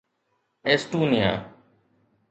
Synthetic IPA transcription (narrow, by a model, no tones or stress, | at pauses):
eːsʈuːnɪja̰ː